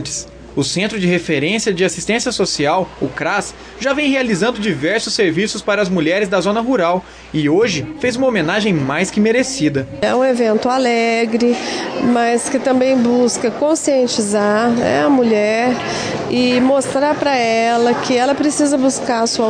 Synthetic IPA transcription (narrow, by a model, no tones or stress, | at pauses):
t͡ʃɪ̥s | ʊsẽnt̪ɾʊd͡ʒɪɦefeɾẽsiɐd͡ʒɪasi̥st̪ẽsijɐsosiawʊkɾas | ʒavẽj̃ɦealizɐ̃nd̪ʊd͡ʒivɛɾsʊsːeɾvisʊspaɾɐːzmuʎɛɾɪzd̪ɐzõnɐɦuɾaw | ɪoʒɪfejzũmɐomẽnaʒẽj̃majskɪmeɾesid̪ɐɛ̰ũevẽnt̪ʊalɛɡɾɪmɐskɪt̪ɐ̃mbẽj̃buskɐkõsiẽnt͡ʃizaɾɛ̰ɐmuʎɛɾ | ɪmost̪ɾaɾpɾɐɛlɐkɪɛlɐpɾesizɐbuskaɾɐsuɐ